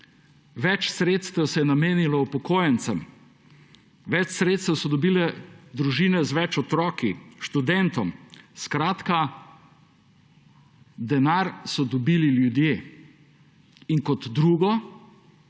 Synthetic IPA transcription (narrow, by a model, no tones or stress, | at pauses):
ʋɛt͡ʃsɾeːt̪st̪ɛwsɛjɛnameːnilɔupɔkoːjɛnsəm | ʋɛt͡ʃsɾeːt̪st̪ɛwsɔd̪ɔbilɛd̪ɾuʒiːnɛzʋɛt͡ʃɔt̪ɾɔːkiʃt̪ud̪ɛnt̪ɔmskɾaːt̪ka | d̪ɛnaɾsɔd̪ɔbililjud̪jeː | iŋkɔt̪d̪ɾuːɡɔ